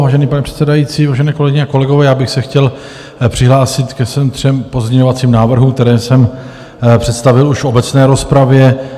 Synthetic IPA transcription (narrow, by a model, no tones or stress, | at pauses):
vaːʒɛniːpanɛpr̥ɛ̥t̪sɛdajiːt͡siːvaːʒɛnɛːko̞lɛɡɪɲɛako̞lɛɡovɛːjaːbɪxsɛxcɛl | pr̥ɪɦlaːsɪt̪kɛsɛmt̪r̥ɛmpo̞zɲɛɲo̞vat͡siːmnaːvr̩ɦuːk̚t̪ɛɾɛːsɛm | pr̥ɛt̪st̪avɪluʃfo̞bɛt͡snɛːɾo̞spɾavjɛ